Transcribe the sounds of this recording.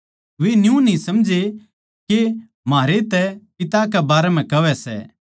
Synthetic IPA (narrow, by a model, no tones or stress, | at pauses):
ʋenjũnĩsɐmd͡ʒe | ke | maːɾet̪ɛpɪt̪akɛbaːɾɛm̤ɛ̃kɐʋɛsɛ̰ː